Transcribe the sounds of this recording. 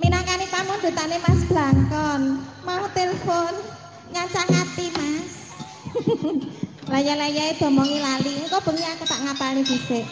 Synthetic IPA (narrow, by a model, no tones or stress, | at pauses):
minaŋkanipamʊnd̥̪ṳt̪anemasb̥laŋkɔnmaut̪elefon | ŋaɲt͡ʃaŋat̪imas | lajalajaed̪̥ɔ̤mɔŋilaliŋkɔb̥ə̤ŋiakət̪aʔŋapalneb̥i̤se